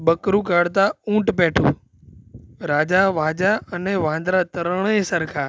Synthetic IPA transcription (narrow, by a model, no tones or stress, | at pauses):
ɓɐkɾukaːɽt̪aũːʈpɛːʈʰo̰ː | ɾaːd͡ʑaʋaːd͡ʑaɐneʋãːnd̪ɾat̪ɐɾɽ̃esɐɾkʰaː